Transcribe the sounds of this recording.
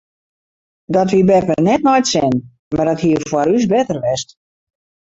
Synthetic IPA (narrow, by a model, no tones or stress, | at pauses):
dɔtʋibɛpənɛtnɔjtsɪn | mardɔthiəfwaɾysbɛtərʋɛst